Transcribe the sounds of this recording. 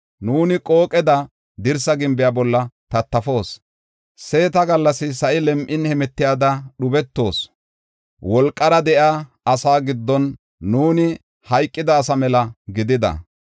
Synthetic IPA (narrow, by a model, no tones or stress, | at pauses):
nuːnɪkʼo̞ːkʼɛd̪ɐ | d̪ɪɾsɐɡɪmbɪjaːbɔlːɐt̪ɐt̪ːɐfo̞ːs | se̞ːt̪ɐɡɐlːɐsɪsɐʔɪlɛmʔɪnhɛmɛt̪ːɪjaːd̪ɐɗʊbɛt̪ːo̞ːs | wɔlkʼːɐɾɐd̪ɛʔjaː | ɐsaːɡɪd̪ːɔnː | uːnɪ | hɐjkʼːɪd̪ɐːsɐmɛlɐɡɪd̪ɪd̪ɐ̰